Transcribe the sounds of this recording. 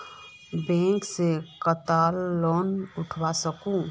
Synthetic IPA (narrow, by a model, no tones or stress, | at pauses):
bẽːŋksekət̪aːlːɔːnʊʈʰwasəkũ